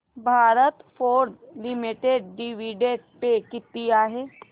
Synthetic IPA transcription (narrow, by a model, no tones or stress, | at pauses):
bʱaːɾət̪fʰoːɾd͡ʒlɪmiʈeɖ̚ːiʋiɖeʈpekɪt̪ːijaɦɛː